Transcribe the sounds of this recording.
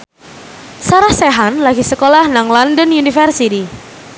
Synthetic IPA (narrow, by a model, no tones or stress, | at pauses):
saɾahseɦanlaɡisəkolahnaŋlandənunifərsiti